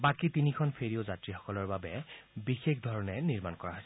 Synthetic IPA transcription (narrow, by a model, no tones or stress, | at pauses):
bakitinikʰɔnpʰeɹiozatɹixɔ̥kɔlɔɹbabɛbixexd̪ʱɔɹɔnɛniɹmankɔɹaɦɔs